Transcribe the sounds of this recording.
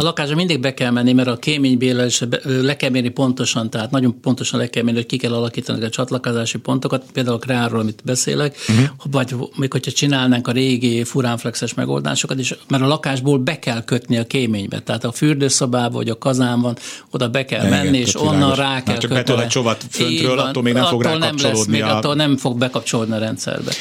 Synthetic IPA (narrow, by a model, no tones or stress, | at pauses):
ɒlɒkaːʒbɒmind̪iɡ̚bɛkɛlmɛnːimɛɾɒkeːmeːɲbeːlɛleʃɛblɛkɛlmeːrnipo̞nt̪o̞ʃɒnt̪ɛɦaːt̪nɒɟo̞mpo̞nt̪o̞ʃɒnlɛkɛlmeːnihockikɛlːɒlɒkiːt̪ɒnḭɛzɛkɛt̪ɔt͡ʃɒt̪lɒkozaːʃipo̞nt̪o̞kɒt̪peːld̪aːulkrɛaroːlɒmit̪bɛsḛːlɛkvɒɟmeːkho̞cʰhɒt͡ʃinaːlnaːŋkɒɾeːɡifuɾaːɱflɛksɛʃmɛ̰ɡo̰ld̪a̰ːʃo̞kɒt̪eːʃmɛɾɒlɒkaːʒboːlbɛkɛlkø̞t̪niɒkeːmeːɲbɛ̰t̪ɛɦaːt̪ɒfyrd̪øːsobaːbɒvɒ̰ɟɒkɒzaːɱvɒnod̪ɒbɛkɛ̰lmɛnːieːʃonːɒnraːkɛlkøt͡ʃovɒfønːøːlenɛɒtooːlnɛmlɛsmeːɡɒt̪ːoːlnɛmfo̞ɡ̚bɛkɒpt͡ʃo̞loːd̪niɒɾɛnt̪sɛ̰rbɛ̰